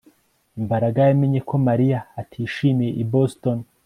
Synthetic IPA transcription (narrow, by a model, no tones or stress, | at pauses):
mbaɾaɡajameɲe̞kʰo̞maɾijaːtʰiːʃiːmije̞ʔiboston